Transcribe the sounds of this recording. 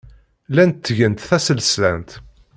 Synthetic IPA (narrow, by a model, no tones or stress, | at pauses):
lænt̪ːʝənt̪θæsəlslænt̪